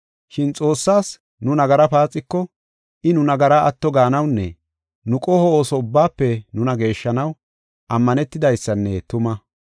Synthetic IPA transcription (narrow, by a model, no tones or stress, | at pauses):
ʃɪnt͡sʼo̞ːsːaːs | nʊnɐɡɐɾɐpaːt͡sʼːɪkːɔ | ʔɪnʊnɐɡɐɾaʔɐt̪ːɔɡaːnɐwnːɛ̰ | nʊkʼɔhɔoːsɔʊbːaːpːɛnʊnɐɡe̞ːʃːɐnɐw | ʔɐmːɐnɛt̪ːɪd̪ɐjsːɐnːɛt̪ʊmɐ